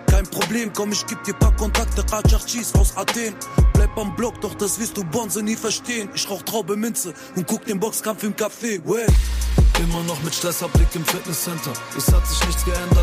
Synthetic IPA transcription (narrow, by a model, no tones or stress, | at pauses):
kʰaɪnpʁ̥obleːmkʰɔmɪçɡ̥iːb̚d̥iːɐpʰakʰɔntʰak̚təkaːt͡ʃaʁt͡ʃiːsaʊsateːnb̥laɪp̚amblɔk̚d̥ɔχd̥asv̥ɪɐstd̥uːbɔnzəniːfɛɐʃteːənɪʃʁaʊxtʁaʊbəmɪnt͡sə | ʊnt̚ɡ̥ʊk̚d̥eːnbɔkskamfɪmkafeːwɛ | ʔɪmɐnɔχmɪtʃtʁɛsɐblɪkɪmfɪɐtnəssɛntɐʔɛshatz̥ɪçnɪçsɡ̥əʔɛndɐt